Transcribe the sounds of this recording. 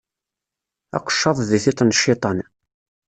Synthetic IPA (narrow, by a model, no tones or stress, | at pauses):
ɑ̰qə̥ʃːɑðˤðiθɪt̪ˤnʃːit̪ˤɑn